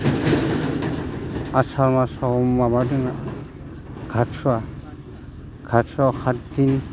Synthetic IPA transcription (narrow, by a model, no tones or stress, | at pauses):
asaɾmasɔɔmːabadɯnaʔa | ɡʱatsɔwa | ɡ̥ʱatsakʰatd̪in